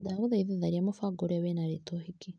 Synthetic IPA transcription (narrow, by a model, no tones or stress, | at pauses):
daɣoðajðaðaɾiamofaɡoɾeaβenaɾetohiki